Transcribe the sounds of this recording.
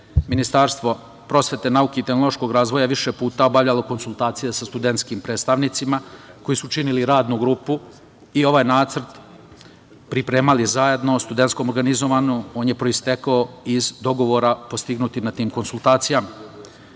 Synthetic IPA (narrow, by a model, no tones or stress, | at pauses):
minist̪aːɾst̪ʋo̞ | pɾo̞sʋe̞t̪e̞naukeit̪e̞xno̞lˠo̞ʃko̞ɡɾaːzʋo̞jaʋiʃepuːt̪ao̞baʋʎalˠo̞ko̞nsulˠt̪aːt̪sijesast̪ud̪e̞nt̪skimpɾe̞ːt̪st̪aʋnit̪simako̞jisut͡ʃiniliɾaːd̪nuɡɾuːpu | io̞ʋajnaːt̪sr̩t̪ | pɾipɾe̞ːmalizaje̞d̪no̞st̪ud̪ent̪skomoɾɡanizo̞ʋanuo̞ːnjepɾo̞ist̪e̞kaoizd̪o̞ɡo̞ʋo̞ɾapo̞st̪iɡnut̪inat̪iːmko̞nsulˠt̪aːt̪sijama